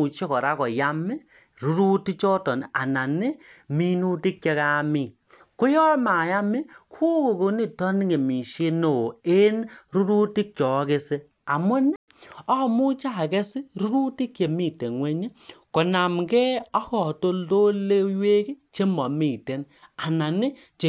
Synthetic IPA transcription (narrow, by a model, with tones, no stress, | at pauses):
u˨t͡ʃe˦kɔ˨ɾa˦kɔ˨ja˦mi˦ | ɾu˦ɾu˦ti˦t͡ʃɔ˦tɔ˨n˨a̰˨na˨nɪ˦mi˦nu˦ti˦k̚t͡ʃe˧ka˦mi˨ | ko˦jɔ˦ma˨ja˦mi˦kʰu˦ko˨ko˧ni˦˨tɔ˦ni˦ke˨mi˨ʃe˦no˨e˦nɾu˦ɾu˦ti˦k̚t͡ʃɔ˨˦ke˦se˦ | a˨mwe˦ni˦ | ɔ˦˨mu˦t͡ʃa˦˨kɛ˦sɪ˦ɾu˦ɾu˦ti˦kje˨mi˦˨te˨ŋwe˦ɲe˦ko˨na˨mɡɛ˦ɔ˦kɔ˨to˦ldo˦le˦jwe˦ki˦t͡ʃe˦mɔ˨mi˨te˦n | a˨na˨ni˦ | t͡ʃe˨